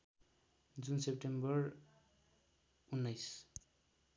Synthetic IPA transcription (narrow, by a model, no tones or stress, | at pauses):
d͡zunsep̚ʈembʌr | unːʌjs